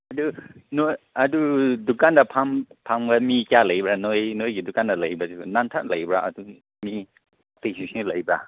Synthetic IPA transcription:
ɐdunoj | adudukandapʰampʰamɡamikjalɐjbɾanojnojɡidukandalɐjbasinantʰat̚lɐjbɾaʔɐ̰du | mi | apesislɐjbɾa

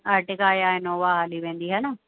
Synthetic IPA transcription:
aɾʈɪkaːjaːenoːʋaːɦaːliʋẽːnd̪iːɦana

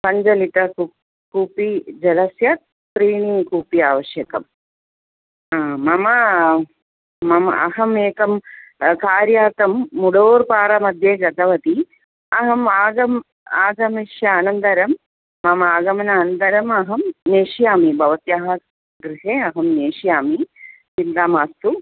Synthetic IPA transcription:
pɐɲd͡ʒɐlit̪ɐku | kuːpid͡ʒɐlɐsjɐt̪̚ | pɾiːɳikuːpiaːʋɐʃjɐkɐ̰m | amːɐmɐ | mɐmɐɐ̰ɦɐmeːkɐmkaːɾjaːt̪ɐmːuɽoːɾpaːɾɐmɐd̪ʱjeːd͡ʒɐd̪ɐʋɐt̪i | ɐɦɐmaːɡɐm | aːɡɐmiʃjɐaːnɐnd̪ɐɾɐmː | ɐmɐaːɡɐmɐnaːnɐnd̪ɐɾɐmɐɦɐmneːʃijaːmibʱɐʋɐt̪jaɦɐ | ɡɡɾiɦeːɐɦɐmneːʂijaːmi | sind̪aːmaːst̪u

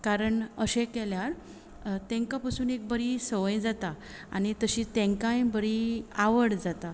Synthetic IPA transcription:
kaɾəɳəɕekɛljaɾ | t̪ɛ̃ŋkapasuːnek̚bəɾisəʋəjd͡zat̪a | a̰ñit̪əɕit̪ẽŋkãjbəɾiaʋəɽd͡zat̪a

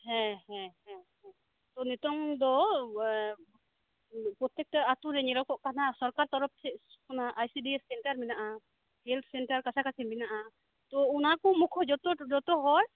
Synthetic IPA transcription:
hɛ̃ɦɛ̃ɦɛ̃ɦɛ̃ | t̪ɔnɛt̪ɔŋd̪ɔ | pɾɔt̪jɛk̚taat̪uɾɛɲɛɾɔkɔʔkanasɔɾkaɾt̪ɔɾɔp̚t̪ʰɛ | kɔnaʔajsidiɛssɛɳʈaɾminaʔa | hɛlt̪ʰsɛnʈaɾkasʰakasiminaʔa | t̪ɔunakɔmukʰɔd͡ʒɔt̪ɔd͡ʒɔt̪ɔɦɔj

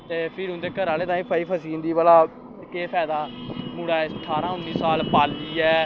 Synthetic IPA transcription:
t̪eːpʰɪɾɦʊ̃nd̪eːkəɾaːleːt̪ãːiːpʰaːiːpʰəsiːnd̪iːbaːlaː | keːpʰɛːd̪aːmuːɽaːsəʈʰaːɾãːʊnːiːsaːlpaːld̪iːɛː

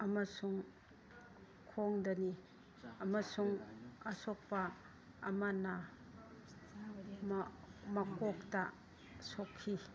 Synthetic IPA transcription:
ɐmasuŋ | kʰoŋdɐni | ɐmɐsuŋɐsok̚paː | mana | m | mɐkok̚ta | sokʰːi

